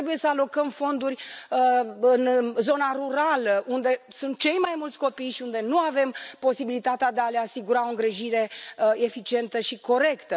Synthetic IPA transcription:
ebuje̞səalo̞kəmfo̞nd̪urʲəɨnzo̞naɾuɾaləʔund̪e̞sunt̪̚t͡ʃe̞jmajmult̪sʲko̞pijʃiund̪e̞nuave̞mpo̞sibilit̪at̪ead̪ealeasiɡuɾao̞ɨŋɡɾeʒiɾe̞efit͡ʃie̞nt̪əʃiko̞ɾe̞kt̪ə

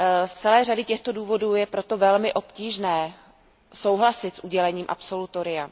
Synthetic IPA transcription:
st͡sɛlɛːr̝adɪcɛxt̪o̞duːvo̞duːjɛpɾo̞t̪o̞vɛlmɪʔo̞pciːʒnɛː | so̞wɦlasɪt̪sʔuɟɛlɛɲiːmʔa̰pso̞lut̪o̞ɾɪja

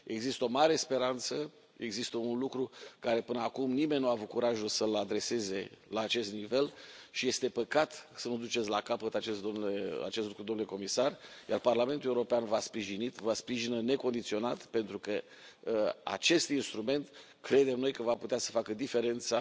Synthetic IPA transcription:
e̞ɡzist̪əo̞maɾe̞spe̞ɾant̪sə | e̞ɡzist̪əunlukɾukaɾe̞pɨnəakumnimenʲːnuaːvut̪̚kuɾaʒulsəlad̪ɾe̞se̞ze̞laːt͡ʃe̞st̪nive̞lʃije̞st̪e̞pəkat̪sənud̪ut͡ʃe̞t̪sʲlakapət̪at͡ʃesomea̰t͡ʃest̪lukɾud̪omnuleko̞misarja̰rparlame̞nt̪ule̞uɾo̞peanvaspɾiʒinit̪vaspɾiʒinəne̞ko̞nd̪it̪sio̞nat̪pe̞nt̪ɾukə | a̰t͡ʃe̞st̪inst̪ɾume̞nt̪ | kɾe̞d̪e̞mno̞jkəvaput̪easə̥fakəd̪ife̞ɾe̞nt̪sa

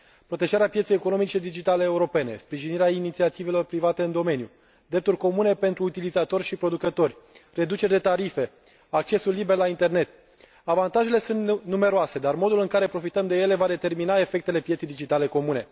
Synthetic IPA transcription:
pɾo̞t̪eʒaɾeapjet̪sejekono̞mit͡ʃed̪id͡ʒit̪aleːuɾo̞pe̞ne̞̰spɾiʒiniɾeainit̪siat̪ive̞lo̞rpɾivat̪e̞ɨnd̪o̞me̞nju | d̪ɾe̞p̚t̪urʲko̞mune̞pe̞nt̪ɾuːt̪ilizat̪o̞rʲʃipɾo̞d̪ukət̪o̞rʲre̞d̪ut͡ʃeɾʲd̪et̪aɾife̞ | ak̚t͡ʃe̞sulːibe̞rlaint̪e̞rne̞t̪ | avant̪aʒe̞le̞sunt̪nume̞ɾoase̞d̪armo̞d̪ulɨŋkaɾe̞pɾo̞fit̪əmd̪e̞je̞le̞vad̪e̞t̪erminae̞fe̞k̚t̪e̞le̞pjet̪sejd̪id͡ʒit̪ale̞ko̞mune̞

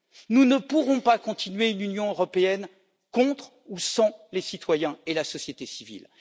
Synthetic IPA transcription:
nunəpuʁɔ̃pakɔ̃t̪inɥeynynjɔ̃øʁɔpeɛn | kɔ̃t̪χ | usɑ̃lesit̪wajɛ̃elasɔsjet̪esivḭl

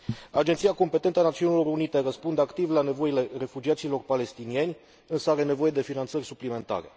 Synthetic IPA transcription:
ad͡ʒet̪sijako̞mpe̞t̪e̞nt̪əanat̪siunilo̞runit̪e̞rəspund̪eakt̪ivlane̞vo̞ile̞re̞fud͡ʒiat̪silo̞rpale̞st̪inie̞nʲ | ɨnsəaɾe̞nevo̞je̞d̪e̞finant̪sərʲsuplime̞nt̪a̰ɾe̞̰

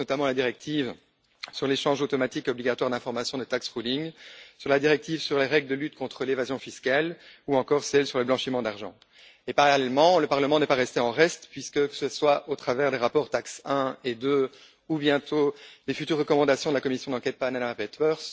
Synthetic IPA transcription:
ɔt̪amɑ̃lad̪iʁɛk̚t̪ʰiv | syʁleʃɑ̃ʒot̪ɔmat̪ikɔbliɡat̪waʁd̪ɛ̃fɔʁmasjɔ̃d̪ət̪aksʁuliŋsyʁlad̪iʁɛk̚t̪ivsyʁleʁɛɡld̪əlyt̪̚kɔ̃t̪χəlevazjɔ̃fiskaluɑ̃kɔːʁsɛlsyʁləblɑ̃ʃimɑ̃d̪aʁʒɑ̃ | epaʁalɛlmɑ̃ləpaʁləmɑ̃nɛpaʁɛst̪eɑ̃ʁɛst̪pɥiskəkə̥səswaʔot̪χavɛʁd̪eʁapɔʁt̪aksɛ̃ed̪ø | ubjɛ̃t̪ʰolefyt̪yʁːəkɔmɑ̃d̪asjɔ̃d̪əlakɔmisjɔ̃d̪ɑ̃kʲɛt̪̚paʁananamapɛt̪wœʁs

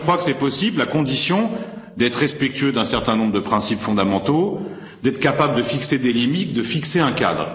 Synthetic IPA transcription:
əkχwakə̥sɛpɔsiblakɔ̃d̪isjɔ̃d̪ɛt̪χʁɛspɛk̚t̪ɥød̪ɛ̃sɛʁt̪ɛ̃nɔ̃bʁəd̪əpχɛ̃sipfɔ̃d̪amɑ̃t̪o | d̪ɛt̪χkapabləd̪əfiksed̪elimit̪̚d̪əfikseɛ̃ka̰d̪ʁ

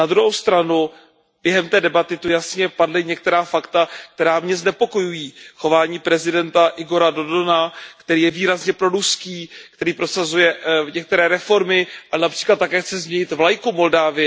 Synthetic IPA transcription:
nad̪ɾuɦowst̪ɾanu | bjɛɦɛmt̪ɛːdɛbat̪ɪt̪ujasɲɛpadlɪɲɛk̚t̪ɛɾaːfakt̪ak̚t̪ɛɾaːmɲɛznɛpo̞ko̞jujiːxo̞vaːɲiːpɾɛzɪdɛnt̪aʔɪɡo̞ɾado̞donakt̪ɛɾiːjɛviːɾazɲɛpɾo̞ɾuskiːkt̪ɛɾiːpɾo̞sazujɛɲɛk̚t̪ɛɾɛːɾɛfo̞ɾmɪʔaɛnapr̝̥iːklat̪ːakɛːxt͡sɛzmɲɛɲɪt̪vlajkumo̞ldaːvɪjɛ

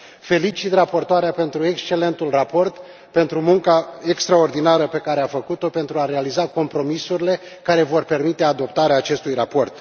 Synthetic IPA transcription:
fe̞lit͡ʃit̪rapo̞rt̪oaɾeape̞nt̪ɾue̞kst͡ʃe̞le̞nt̪ulrapo̞rt̪ | pe̞nt̪ɾumuŋkaekst̪ɾao̞rd̪inaɾəpe̞kaɾeafəkut̪o̞pe̞nt̪ɾuaɾe̞alizako̞mpɾo̞misuɾile̞ | kaɾe̞vo̞rpe̞rmit̪e̞ad̪o̞p̚t̪aɾeaːt͡ʃe̞st̪ujrapo̞rt̪

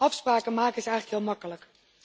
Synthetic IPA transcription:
ɑfspraːkəmaːkəzəɛjχləkɦɪːlˠmɑkələk

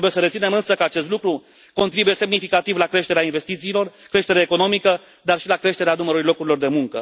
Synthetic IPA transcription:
buje̞səɾet̪sine̞mɨnsəkəat͡ʃe̞st̪lukɾu | ko̞nt̪ɾibuje̞se̞mnifikat̪ivlakɾe̞ʃt̪e̞ɾeainve̞st̪it̪siːlo̞rkɾe̞ʃt̪e̞ɾeːko̞no̞mikə | d̪arʃilakɾe̞ʃt̪e̞ɾeanuməɾuɾjlo̞kuɾilo̞rd̪e̞muŋkə̰

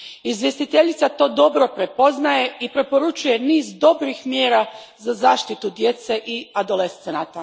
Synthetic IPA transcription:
izʋje̞st̪it̪eʎit̪sat̪o̞ːd̪o̞bɾo̞pɾe̞po̞znaje̞ipɾe̞po̞ɾut͡ʃuje̞niːzd̪o̞bɾixmjeːɾa | zazaːʃt̪it̪ud̪je̞t̪se̞ʔiad̪o̞lest̪senat̪a

